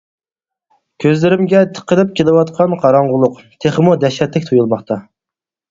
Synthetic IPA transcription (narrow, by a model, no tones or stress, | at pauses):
kʲʰøzlɪɾɪmɡʲɛt̪ʰə̥qːəlˠɪp̚kʲelɪwɑt̪qʰɑnqʰɑɾɑɴʁʊlˠʊqt̪ʰeχəmud̪ɛʃɛt̪lɪkʲt̪ʰujulˠmɑχt̪ʰɑ